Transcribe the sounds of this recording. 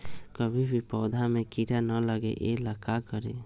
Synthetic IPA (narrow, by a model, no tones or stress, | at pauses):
kɔbʱibʱipɔwd̪ʱamekiʈanɔləɡḛʔelakakɔɾe